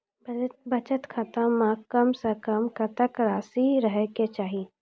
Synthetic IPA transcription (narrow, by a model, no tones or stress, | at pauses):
bət͡ʃət̪kʰət̪əmãkəmsɐkəmkɐt̪əkɾaːsiɾəɦeket͡ʃaːɦi